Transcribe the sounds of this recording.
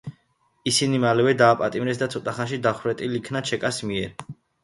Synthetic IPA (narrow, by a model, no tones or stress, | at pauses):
isinimalɛvɛd̪aːpʼat̪ʼimɾɛsd̪at̪sʰɔt̪ʼaχanʃid̪aχɾɛt̪ʼilikʰnat͡ʃʰɛkʼasmiɛɾ